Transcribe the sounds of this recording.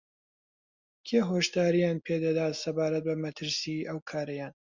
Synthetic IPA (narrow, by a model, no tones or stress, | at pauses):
kʰeːɦoːʃt̪aːɾijaːnpʰed̪ɐd̪aːt̪sɐbaːɾɐt̪̚bɐmɐt̪ʰɨɾsiʔɐwkʰaːɾɐjaːn